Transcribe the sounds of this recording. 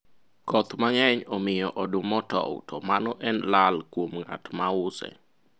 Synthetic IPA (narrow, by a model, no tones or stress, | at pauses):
kɔt̪maŋɛɲɔmɪjɔʔɔdʊmɔtɔ̰ʊ̰tɔmanɔʔɛnlalkwomŋa̰tmaʊsɛ̰